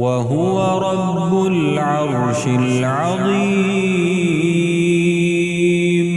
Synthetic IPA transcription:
waɦʊwaɾˤɑbːʊl | ʕɑɾˤ | ʃɪl | ʕɑðˤiː | m

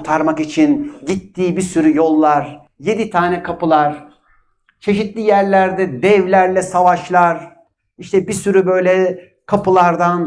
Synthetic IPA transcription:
t̪ʰaɾmakit͡ʃʰinɟit̪ʰːiːbiɾsyɾyjo̞lˠːaɾ | je̞d̪it̪ʰaːnɛkʰapɯlˠaɾ | t͡ʃʰe̞ʃit̪lʲijæɾlʲæɾd̪ɛd̪ɛvlʲæɾlʲɛsavaʃlˠaɾ | iʃt̪ʰɛbiɾsyɾybø̞jlʲɛ | kʰapʰɯlˠaɾd̪an

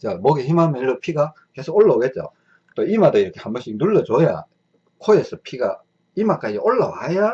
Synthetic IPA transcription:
t͡ɕamoɡeçimamenɾopʰiɡa | kesʰooɭːʌɡet̚t͡ɕ͈o̰ | t͈oimadoiɾʌkʰe̥hambʌɕʰik̚nuɭːʌt͡ɕoja̰ | kʰojesʰʌpʰiɡa̰ | imak͈ad͡ʑiʔoɭːawaja

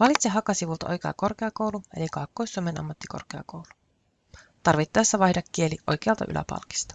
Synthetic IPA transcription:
ʋɑlit̪seɦɑkɑsiʋult̪ɑʔo̞̰jkeɑ̰ko̞rkeɑkowlue̞likɑːkːojsːuomenʔɑ̰mːɑt̪ːikorkeɑ̰kowlu̥ | t̪ɑrʋit̪ːɑjɑsːæʋɑjhdɑkːie̞liʔo̞̰jk̟e̞ɑlt̪ɑ̰ʔy̰lʔæ̰pɑ̰lki̥st̪ɑ̥

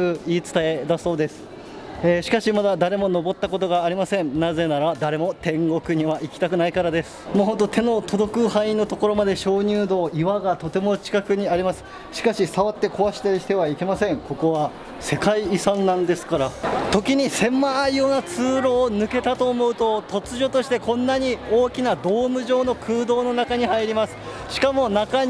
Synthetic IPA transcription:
ɯiːt͡sɨ̥t̪ae̞d̪aso̞ːd̪e̞sɨ̥ | eːɕi̥kaɕimad̪ad̪aɾe̞mo̞no̞bo̞t̪ːako̞t̪o̞ɡaːɾʲimasẽ̞nnaze̞naɾad̪aɾe̞mo̞t̪ẽ̞ŋɡo̞kɯ̟ɲ̟iβaʔikʲi̥t̪akɯ̟naikaɾad̪e̞sɨ̥moːɦo̞nt̪ot̪ʰe̞no̞t̪o̞d̪o̞kɯ̟hãĩnːo̞t̪o̞ko̞ɾo̞mad̪e̞ɕo̞ːɲ̟ʲɨːd̪o̞ːʔiβaɡat̪o̞t̪e̞mo̞t͡ɕi̥kakɯ̟ɲ̟iaɾʲimasɨ̥ | ɕi̥kaɕisaβat̪ːe̞ko̞βaɕi̥t̪aɾʲiɕi̥t̪e̞βaike̞masẽ̞ŋko̞ko̞βa | se̞kaiːsãnːãnd̪e̞sɨ̥kaɾat̪o̞kʲiɲ̟isẽ̞mːaːijoːnat͡sɨːɾo̞ːnɯ̟ke̞t̪at̪o̞ːmo̞ɯ̟t̪o̞t̪o̞t͡sɨʑo̞t̪o̞ɕi̥t̪e̞kõ̞nːaɲ̟ioːkʲinad̪o̞ːmɯ̟ʑo̞ːno̞kʰɯ̟ːd̪o̞ːno̞nakaɲ̟ihaiɾʲimasɨ̥ | ɕi̥kamo̞naka

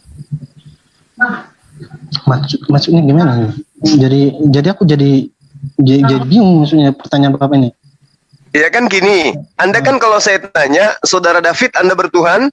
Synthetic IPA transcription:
masʊkmasʊk̚ɲaɡimanad͡ʒadid͡ʒadiakud͡ʒadi | d͡ʒad͡ʒadibiŋʊŋmaksuk̚ɲapərt̪aɲaːnbapapaini | jakankiniandakankalowsajat̪aɲasawdaɾadafɪt̪andabərt̪uɦan

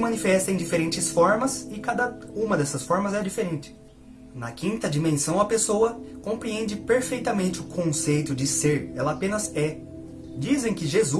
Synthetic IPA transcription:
mɐ̃nifɛst̪ɐẽd͡ʒifeɾẽnt͡ʃɪsfɔɾmɐzɪkad̪ɐũmɐd̪ɛsɐsfɔɾmɐzɛd͡ʒifeɾẽnt͡ʃɪ̥ | nɐkĩnt̪ɐd͡ʒimẽsɐ̃w̃ɐpesoɐkõpɾiẽnd͡ʒɪpeɾfejt̪ɐmẽnt͡ʃɪʊkʰõsejt̪ʊd͡ʒɪseɾɛlɐapẽnɐzɛ | d͡ʒizẽj̃kɪʒezu

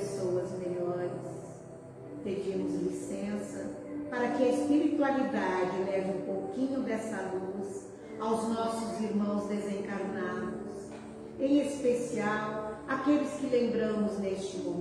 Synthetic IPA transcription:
sowɐzmeʎɔɾɪs | ped͡ʒĩmʊzlisẽsɐpaɾɐkɪɐespiɾit̪ualid̪ad͡ʒɪlɛvɪũpowkĩɲʊd̪ɛsɐlus | awznɔsʊziɾmɐ̃w̃zd̪ezẽŋkaɾnad̪ʊs | ẽj̃espesiawakelɪskɪlẽmbɾɐ̃mʊznest͡ʃɪmũ

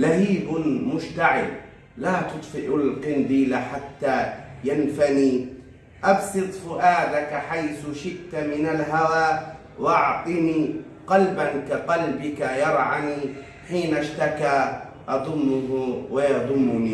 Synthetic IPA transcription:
lahiːbmʊʃt̪aʕɪ̰l | laːt̪ʊt̪ˤfɪʔʊlqɪnd̪iːlaħat̪ːajanfaniː | ʔɑbsɨt̪ˤfʊʔaːd̪akaħajθʊʃɪʔt̪amɪnalɦawaː | wʔɑʕt̪ˤɨniː | qɑlbankaqɑlbɪkajɑɾˤʕaniː | ħiːnaʃt̪akaːʔɑd̪ˤʊmːʊɦwɪjɑd̪ˤʊmːʊniː

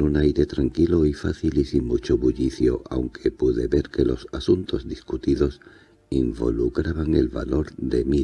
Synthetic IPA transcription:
nunajɾe̞t̪ɾaŋkiloifa̰θilisiŋmut͡ʃoβuʎiθjo̞ʔa̰wŋkʰe̞puðe̞βe̞ɾke̞lo̞sasunt̪o̞zðiskut̪iðo̞s | imbo̞̰lukɾaβaŋe̞̰lβa̰lo̞ɾðe̞mi

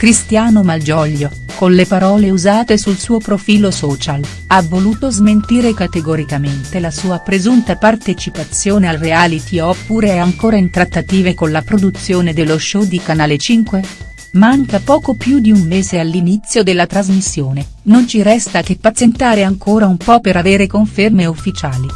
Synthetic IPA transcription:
kɾist̪jaːnomald͡ʒɔʎːo | konlepaɾɔːleuzaːt̪esulsuːopɾofiːlosɔːt͡ʃal | avːoluːt̪ozment̪iːɾekat̪eɡoɾikament̪elasuːapɾezunt̪apart̪et͡ʃipat̪sːjoːnealreaːlit̪ʰiɔpːuɾeɛaŋkoːɾaint̪ɾat̪ːat̪iːvekonlapɾod̪ut̪sːjoːned̪elːoʃɔd̪ikanaːlet͡ʃiŋkwe | maŋkapɔːkopjud̪iummeːzealːinit̪sːjod̪elːat̪ɾazmisːjoːne | nont͡ʃiɾɛst̪ak̟epːat̪sjent̪aːɾeaŋkʰoːɾaumpɔpeɾaveːɾekoɱfermeufːit͡ʃaːli

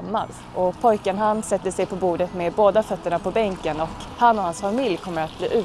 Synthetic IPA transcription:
mːa̰l | ʔɔpʰɔjkənɦansɛt̪ːəsɛjpʰɔbuːɖət̪meboːd̪afœt̪ːəɳapɔbɛŋkənɔkhanːɔhansfamɪljkʰɔmːəɾat̪̚blḭːʔʉ̟ː

